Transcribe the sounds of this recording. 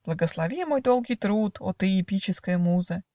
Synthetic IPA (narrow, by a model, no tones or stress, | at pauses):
b̥lˠəɡəslˠɐvʲimo̞jd̪o̞lˠɡʲijt̪ɾut̪ot̪ɨɪpʲit͡ɕɪskəjəmuzə